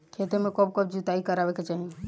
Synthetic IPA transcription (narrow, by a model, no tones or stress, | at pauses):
kʰet̪emekɔb̚kɔbd͡ʒut̪aikəɾabeket͡ʃaɦi